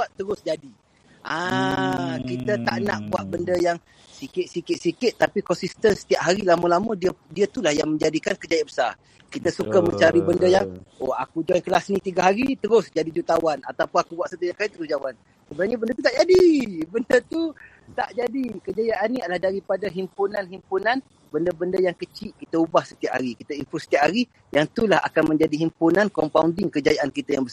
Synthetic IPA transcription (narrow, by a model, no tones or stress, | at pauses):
buaʔt̪ːəɾʊsd͡ʒadi | ʔa | kit̪ət̪aʔna̰ʔbuaʔbəndəjaŋ | sikɪʔ̪̚sikɪt̪̚sikɪʔ̪t̪ːapikɔnsist̪ənsə̥t̪iap̚ɦaɾilamalamədiədiət̪ulahjaŋməɲd͡ʒadikankəd͡ʒajanbəsa̰ | kit̪asukaməɲt͡ʃaɾibəndəjaŋoa̰kud͡ʒaankəlasnĩt̪iɡaɦaɾit̪əɾʊsd͡ʒadid͡ʒut̪awana̰t̪awpʊnakubaʔsət̪iɲakait̪əɾʊsd͡ʒawan | səbənaɲabəndət̪ut̪aʔd͡ʒadibəndət̪u | t̪aʔd͡ʒadikəd͡ʒajaʔanːialahdaɾipadaɦimpunanɦimpunan | bəndəbəndəjaŋkət͡ʃiʔkit̪aubahsət̪iaʔhaɾikit̪ainfusə̥t̪iaʔhaɾi | jaŋt̪ulaha̰kanməɲd͡ʒadiɦimpunankɔmpaundɪŋkəd͡ʒajaʔankit̪ajaŋbəsa